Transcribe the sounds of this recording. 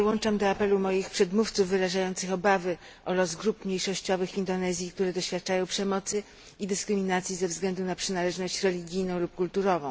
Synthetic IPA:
wɔnt͡ʂamd̪ɔapɛlumɔjixpʂɛd̪muft̪suvːɘɾaʐajɔnt̪sɘxɔbavɘ | ʔɔɾɔzɡɾupmɲejʂɔɕt͡ɕɔvɘxvʲind̪ɔnɛzʲjikt̪uɾɛd̪ɔɕfʲjat̪̚t͡ʂajɔ̃w̃pʂɛmɔt̪sɘ | id̪ɘskɾɘmʲinat̪sʲjizɛvzɡlɛnd̪unapʂɘnalɛʐnɔɕt͡ɕɾɛlʲiɡʲijnɔ̃w̃lup̚kult̪uɾɔvɔ̃w̃

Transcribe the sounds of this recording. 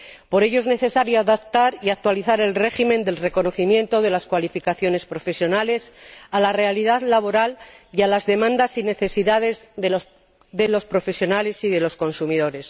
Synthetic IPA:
po̞ɾe̞ʝoe̞zne̞θe̞saɾjoaðap̚t̪aɾiak̚t̪waliθaɾe̞lre̞ximẽ̞nd̪e̞lre̞ko̞no̞θimjẽ̞nt̪o̞ðe̞laskwalifikaθjo̞ne̞spɾo̞fe̞sjo̞nale̞salare̞aliðaðlaβ̞o̞ɾalialazðe̞mãnd̪asine̞θe̞siðaðe̞zðe | ðe̞lo̞spɾo̞fe̞sjo̞nale̞siðe̞lo̞sko̞nsumiðo̞ɾe̞s

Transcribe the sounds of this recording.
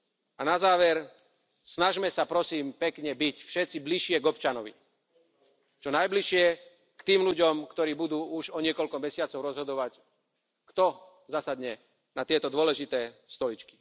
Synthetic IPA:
anazaːʋɛɾ | snaʒmɛsapɾɔsiːmpɛkɲɛbicfʃɛt̪t͡sibliʃɪɛɡɔpt͡ʃanɔʋḭ | t͡ʃɔnajbliʃɪɛ | kt̪iːmluɟɔmkt̪ɔɾiːbud̪uːuʒɔɲɪɛkɔʎkɔmɛsɪat͡sɔʊɾɔzɦɔd̪ɔʋac | kt̪ɔ | zasad̪ɲɛ | nat̪ɪɛt̪ɔd̪ʊɔlɛʒit̪ɛːst̪ɔlit͡ʃki̥

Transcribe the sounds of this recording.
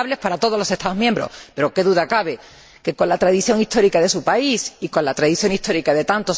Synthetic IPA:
βle̞spaɾat̪o̞ðolo̞se̞st̪aðomjẽmbɾo̞̰spe̞ɾoke̞ðuðakaβ̞e̞ | ke̞ko̞nlat̪ɾaðiθjo̞ŋist̪o̞ɾikaðe̞supaisiko̞nlat̪ɾaðiθjo̞ŋist̪o̞ɾikaðe̞t̪ant̪o̞s

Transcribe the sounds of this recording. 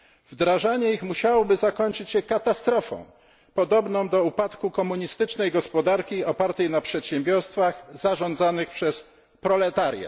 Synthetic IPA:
vd̪ɾaʐaɲɛixmuɕawɔbɘzakɔɲt͡ʂɘt͡ɕɕɛkat̪ast̪ɾɔfɔ̰̃w̃ | pɔd̪ɔbnɔ̃w̃d̪ɔupat̪kukɔmuɲist̪ɘt͡ʂnɛjɡɔspɔd̪aɾkʲiɔpaɾt̪ɛjnapʂɛt̪ɕɛ̃mbʲjɔɾst̪faxzaʐɔ̃nd̪zanɘxpʂɛs | pɾɔlɛt̪aɾʲja̰

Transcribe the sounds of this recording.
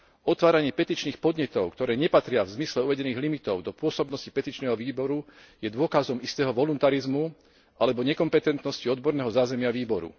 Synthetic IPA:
ɔt̪ʋaːɾaɲɪɛpɛt̪iːt͡ʃniːxpɔd̪ɲɛt̪ɔʊkt̪ɔɾɛːɲɛpat̪ɾɪavzmislɛuʋɛɟɛniːɣlimit̪ɔʊd̪ɔpʊɔsɔbnɔsci̥pɛt̪iːt͡ʃnɛːɦɔʋiːbɔɾu | jɛd̪ʊɔkazɔmist̪ɛːɦɔʋɔlunt̪aɾizmu | ʔalɛbɔɲɛkɔmpɛt̪ɛnt̪nɔsciɔd̪bɔɾnɛːɦɔzaːzɛmɪaʋiːbɔɾṵ

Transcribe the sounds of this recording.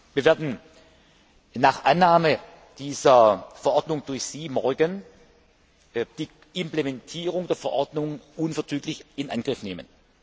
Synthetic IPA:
v̥iːɐveːɐdn̩ | naːχʔanːaːmə | d̥iːzɐfɛɐʔɔɐdnʊŋd̥ʊɐçz̥iːmɔɐɡən | d̥iː | ɪmplemɛntʰiːʁ̞ʊŋdeːɐfɛɐʔɔɐdnʊŋʔʊnfɛɐt͡syːklɪçɪnʔanɡ̥ʁɪfneːmən

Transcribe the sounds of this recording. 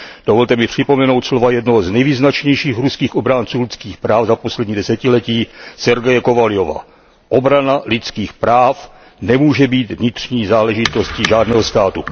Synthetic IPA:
d̥ovolt̪ɛmɪpr̝̥ɪpo̞mɛno̞wt̪slo̞vajɛdnoɦoznɛjviːznat͡ʃɲɛjʃiːxɾuskiːxʔo̞bɾant͡suːlɪt͡skiːxpɾaːfzapo̞slɛdɲiːdɛsɛcɪlɛciːsɛɾɡɛjɛkovalɪo̞va̰ː | ʔo̞bɾanalɪt͡skiːxpɾaːf | nɛmuːʒɛbiːt̪vɲɪt̪r̝̥ɲiːzaːlɛʒɪt̪o̞sciʒaːdnɛːɦost̪aːt̪u

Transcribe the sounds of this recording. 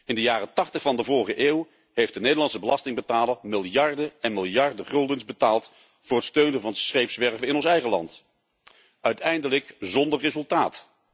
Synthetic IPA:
ɪndəjaːrətɑχtəχfɑndəvʊːɹχəʔeːw | ɦejftdənejdəlɑnsəbəlɑstɪŋbətaːləmɪlˠjɑɹdəɛnmɪlˠjɑɹdəχɵlˠdənzbətaːlˠt | vʊːrɦətstøɥnənvɑnsχejpsʋɛɹvəɪnɔnsɛjχəlɑ̰nt | œɥtɛjndələkzɔndərrezɵlˠtaːt

